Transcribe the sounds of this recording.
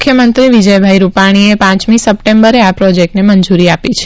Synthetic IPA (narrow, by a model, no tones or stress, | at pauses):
kʰːjəmənt̪ɾiʋid͡ʒəjbʱajɾupaɽ̃iepãt͡ʃmisəp̚ʈembəɾeapɾɔd͡ʒek̚ʈneməɲd͡ʒuɾiapit͡ʃʰe̥